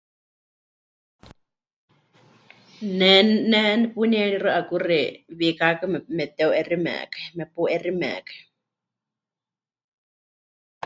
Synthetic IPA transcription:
nɛnɛnɛpunɛɺirɨʔakuriβikakɨmɛmɛt̪ɛuʔɛrimɛ̰kḁmɛpuʔɛrimɛ̰kḁ

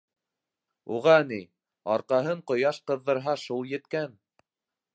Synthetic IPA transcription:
ṵʁɑni | ɑɾqɑɦɤɴqŏjɑʃqɤ̆ðːɤ̆ɾɦɑʃulˠjɘ̆t̪kæn

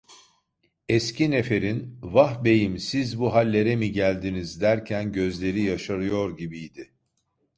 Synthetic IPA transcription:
ɛscʰinefe̞ɾinvahbe̞jimsizbuɦalʲːe̞ɾɛmiɟælʲd̪inizd̪æɾcʰænɟø̞zlʲe̞ɾijaʃaɾɯjo̞ɾɟibijd̪ɪ

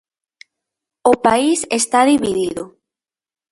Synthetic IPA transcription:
opaisest̪aðiβiðiðo

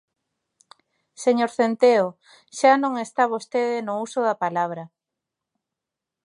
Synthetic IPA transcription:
seɲoɾθent̪eo | ʃanõŋest̪aβ̞ost̪eðenʊusoðapalaβ̞ɾɐ

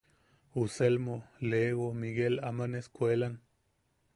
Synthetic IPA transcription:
uselmoleɣomiɡelamaneskʷelan

